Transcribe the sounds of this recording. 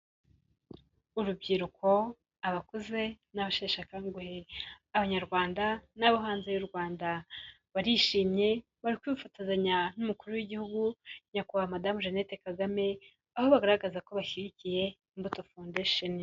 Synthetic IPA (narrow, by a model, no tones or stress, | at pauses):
uɾub̚ɟiɾukʰo̞ | aβakuze̞ | naβaʃeːʃakaŋɡuhe | aβaɲaɾɡwaːndanaβaɦaːnzejuɾɡwaːnda | βaɾiʃiːmɲe̞ | βaɾikwifatazaɲanumukuɾuwiɟihuɡuɲakuhamadamuʒenete̞kaɡame̞ | aho̞βaɡaɾaɡazako̞βaçiɾicije̞ | imbuto̞foːndeʃoni